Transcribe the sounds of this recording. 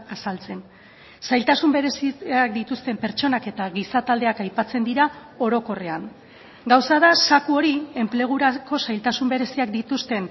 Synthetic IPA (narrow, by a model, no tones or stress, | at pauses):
asalt͡se̞n | sajlt̪asumbe̞ɾesiak̚d̪it̪ust̪e̞mpe̞ɾt͡ʃo̞nake̞t̪aɣisat̪ald̪e̞akajpat͡se̞nd̪iɾa | o̞ɾo̞ko̞re̞aŋ | ɡawsaðasakuo̞ɾie̞mple̞ɣ̞uɾako̞sajlt̪asumbe̞ɾe̞siak̚d̪it̪ust̪e̞n